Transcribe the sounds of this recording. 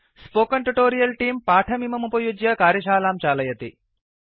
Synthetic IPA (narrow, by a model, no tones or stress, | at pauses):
spoːkɐɳʈuʈoːɾijɐlʈiːmpaːʈʰɐmimɐmupɐjud͡ʒjɐkaːɾjɐʃaːlaːmt͡ʃaːlɐjɐt̪ḭ